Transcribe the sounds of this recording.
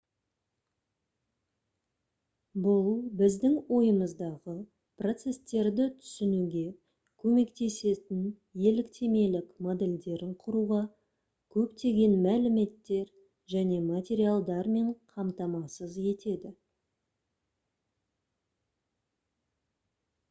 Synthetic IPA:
bʊlˠbɪzd̪ɪŋwo̞jəməzd̪ɑʁə | pro̞t̪se̞st̪e̞ɾd̪ɪt̪ʰʏ̥sɪnuɡʲe̞ | kʲʰɵme̞kt̪e̞se̞t̪ɪn | je̞lɪkt̪ʰe̞me̞lɪkmod̪e̞lʲd̪e̞ɾɪɴqʰʊɾuʁɑ | kʲʰɵpt̪e̞ɡʲe̞nmælɪme̞t̪ːe̞ɾ | ʒæne̞mat̪ʲe̞ɾialˠd̪ɑɾme̞ɴqʰɑmt̪ɑmɑsəzje̞t̪e̞d̪ɪ

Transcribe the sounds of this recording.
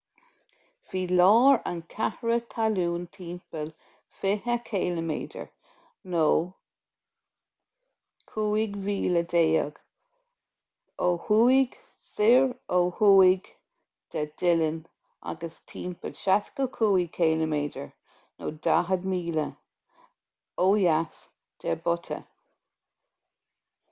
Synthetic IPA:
fiːlɑːɹankʰahɹət̪ʰaluːnt̪ʰiːmpəl | fɪhəkʰeːləmḛːdə̰ɹ | noː | kʰuːɪɡviːləd̪eːə̰ɡ̥ | ohuːɪɡ | sɪɹoːhuːɪɡ | d̪̥ɛd̥ɪlən | a̰ɡəstʰiːnpʰədʃatkəkʰuːikʰeːləmeːdə̰ɹ | no̰ːdaɦədmiːlə | oːjas | d̥ɛbʊt̪ʰə̰

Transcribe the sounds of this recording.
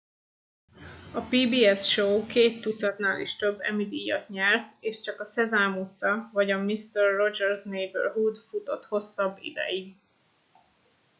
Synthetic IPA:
ɒpiːbiːɛsʃoːkeːt̪ːut̪sɒt̪naːlʔḭʃt̪ø̞bːɛ̰mid̪iːjɒ̰t̪ɲɛrt̪eːʃt͡ʃɒkɒsɛzaːmut̪sɒvɒɟɒmist̪ɛrːo̞d͡ʒɛrznejbø̰rɦud̪fut̪o̞t̪ho̞sːɒbːḭd̪ɛ̰ji

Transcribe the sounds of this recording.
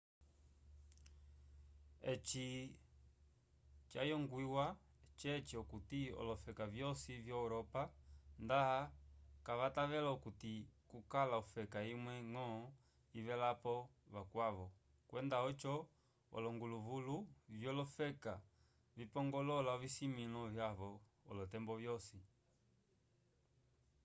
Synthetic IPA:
ɛt͡ʃi | t͡ʃajɔŋɡwiwa | t͡ʃɛt͡ʃiɔkutiɔ̰lɔfɛkavjɔsivjauɾɔpandaakaβataβɛlaukutikukalaufɛkaimwɛŋɔ | iβɛlapɔβakwaβɔ | kwɛndaɔt͡ʃɔ | ɔ̰lɔŋɡuluvuluvjɔlɔfɛka | vipɔŋɡɔlɔlaɔvisimilɔvjaβɔː | lɔtɛmbɔvjɔsi

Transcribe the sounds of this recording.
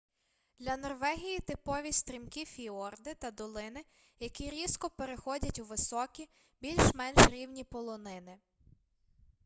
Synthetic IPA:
d̪̥lʲɐnɔrʋɛɦʲijit̪ɪpɔʋʲist̪ɾʲimkʲifʲiɔrd̪ɪt̪ɐd̪ɔlˠɪnɪ | jɐkʲiɾʲiskɔpeɾexɔdʲɐtʲuʋɪsɔkʲi | bʲilʲʃmɛnʃɾʲiwnʲipɔlˠɔnɪnɪ

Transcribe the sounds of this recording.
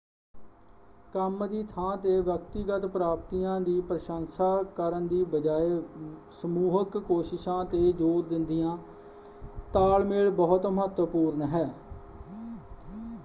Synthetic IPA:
kəmd̪iːt̪ʰãːt̪eːʋjəkt̪iːɡət̪pɾaːpt̪ijãːd̪iːpɾəʃansaːkəɾənd̪iːbəd͡ʒaːeːsəmuːɦəkːoːʃɪʃãːt̪eːd͡ʒoːɾd̪ɪnd̪ɪjãː | t̪aːlmeːɭbəɦʊt̪məɦət̪wəpuːɾnɦɛː

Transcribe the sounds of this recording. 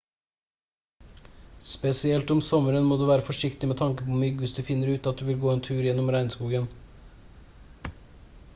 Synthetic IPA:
spɛsɪɛlt̪ɔmsɔməɾənmoːd̪ʉːʋæːɾəfɔʂɪkt̪ɪmeːt̪ʰɑŋkəpʰɔːmʏɡʋɪsd̪ʉːfɪnːəɾʉːt̪ɑt̪̚d̪ʉːʋɪlɡoːeːnt̪ʰʉːɾjɛnːɔmɾæɪnskuːɡən

